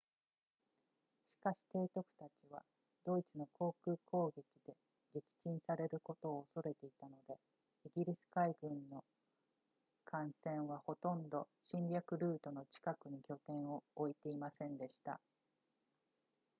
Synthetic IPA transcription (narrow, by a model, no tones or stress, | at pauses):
ɕi̥kaɕi̥t̪e̞ːt̪o̞kɯ̟̥t̪at͡ɕiβ̞a̰ | d̪o̞it͡sɨno̞kʰo̞ːkɯ̟ːko̞ːɡe̞kʲid̪̥e̞ | ɡe̞kʲi̥t͡ɕĩɰ̃saɾe̞ɾɯ̟ko̞t̪o̞ːso̞ɾe̞t̪e̞it̪ano̞d̪e̞ | iɡʲiɾʲisɨ̥kaiɡɯ̟̃nːo̞ | kʰãɰ̃sẽ̞ɰ̃β̞aho̞t̪õ̞nd̪o̞ɕĩɲɾʲjakɯ̟ɾɯ̟ːt̪o̞no̞t͡ɕi̥kakɯ̟ɲ̟ikʲo̞t̪ẽ̞ɰ̃o̞ːit̪e̞imasẽ̞nd̪e̞ɕi̥t̪a̰